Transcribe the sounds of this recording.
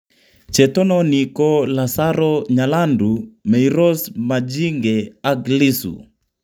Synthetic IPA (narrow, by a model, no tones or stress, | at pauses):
t͡ʃɛtɔnɔnikɔlasaɾɔɲalandumɛiɾɔsmad͡ʒiŋɡɛaɡlisṵ